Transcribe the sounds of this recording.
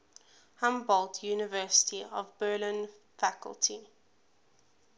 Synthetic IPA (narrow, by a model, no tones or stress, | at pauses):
hãmbɔltʰjuːnɪvɜːˑsə̥tʰiɔvbɜːlɪ̃n | fakə̰lˠtʰi